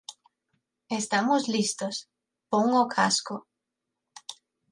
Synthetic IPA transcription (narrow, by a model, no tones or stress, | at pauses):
est̪amozlist̪os | poŋokʰasko